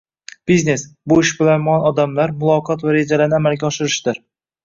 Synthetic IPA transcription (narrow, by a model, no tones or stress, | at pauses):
b̥izne̞sbʊɪʃbɪlanmʊɒnɒd̪amlaɾmʊlˠɒqʰɒt̪vaɾe̞d͡ʒalaɾnɪamalɡʲaɒʃɪɾɪʃd̪̥ɪɾ